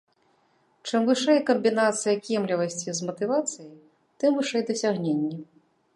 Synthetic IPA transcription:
t͡ʂɨmvɨʂɛjkɐmʲbʲinat̪sɨjɐkʲɛmlʲivɐsʲt͡sʲizmɐt̪ɨvat̪sɨjɐj | t̪ɨmvɨʂɛjd̪ɐsʲaɣnʲenʲːɛ

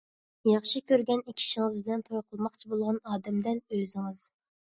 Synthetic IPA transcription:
jɑχʃikʲʰøɾɡʲɛnikʲʰi̥ʃɪŋɨzbɪlɛnt̪ʰojqʰəlˠmɑqt͡ʃʰibolˠʁɑnɑːd̪ɛmd̪ɛnøzɪŋɨz̥

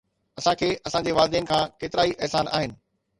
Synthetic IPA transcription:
ɐsãkʰeːɐsãɲd͡ʑeʋaːld̪ɛːnkʰãːkeːt̪ɪɾaːiʔɛɦsaːnʔa̰ːɦɪnɪ̆

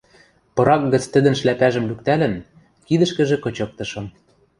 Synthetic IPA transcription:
pɤ̆ɾɑk̚ɣɤ̆t͡st̪ɘ̆d̪ə̆nʃlæpæʒə̆mlyk̚t̪ælɘ̆n | kid̪ɘ̆ʃkɘ̆ʒĕkɤ̆t͡ɕɤ̆k̚t̪ɤ̆ʃɤ̆m

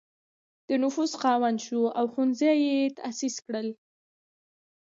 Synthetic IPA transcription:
d̪̥ənʊfusqɑwanʃuawxunzajet̪a̰siskɽəl

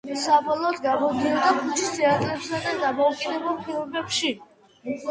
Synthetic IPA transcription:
sabɔlˠɔːd̪ɡamɔd̪iad̪apʰist̪ʰiat̪ʼɾɛpsad̪ad̪amɔukʰʼinɛbɛlˠpʰiɾɔbɛpʃi

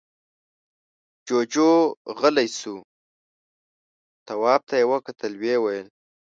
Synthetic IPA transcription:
d͡ʒod͡ʒoɣəlajsu | t̪awɑb̚t̪ʰajewəkat̪ʰəlwewajəl

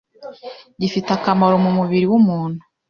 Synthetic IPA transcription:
ɟifitakamaɾo̞mumuβiɾiwumuːn̥hu̥

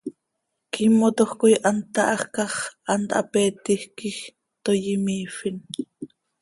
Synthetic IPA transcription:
kʰimot̪oχkojʔɑnt̪ɑʔɑχkɑχʔɑnt̪ʔɑ̰pɛːt̪ihkix | t̪ojimiːfin

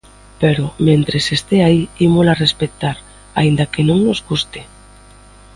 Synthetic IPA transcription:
peɾomẽnt̪ɾesest̪eaiimolarespet̪aɾ | a̰ind̪akenõŋnozɣust̪e

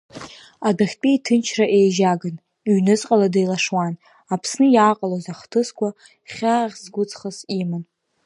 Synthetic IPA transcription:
adaχʲpʼiitʰɨnt͡ʃʰraʔe̞jʒaɡan | iɥnɨt͡sʼqʼaladajlaʂwan | apʰsnɨjaːqʼalozaχtʰɨskʷʰʼa | χʲaʁʲzɡʷʊt͡sʰʼχəsiman

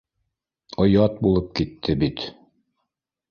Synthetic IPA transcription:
ŏjɑt̪̚bulˠɤp̚kit̪ːɘbit̪

